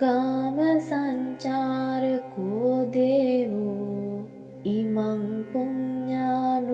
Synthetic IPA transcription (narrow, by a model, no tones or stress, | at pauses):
aməsaɲt͡ʃaːɾəkod̪eːʋo | imaŋkuɲɲaːn